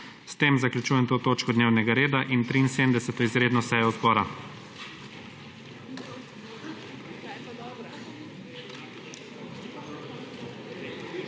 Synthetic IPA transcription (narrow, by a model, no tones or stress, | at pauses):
st̪eːmzaklʲjut͡ʃuːjɛmt̪oːt̪oːt͡ʃkɔd̪neːwnɛɡaɾeːd̪aʔint̪ɾinseːd̪md̪ɛsɛt̪ɔizɾeːd̪nɔsɛjɔzbɔːɾa